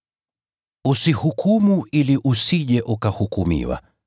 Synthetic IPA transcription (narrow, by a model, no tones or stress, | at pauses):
usihukʰumuiliʔusiʄɛʔukahukumḭwa̰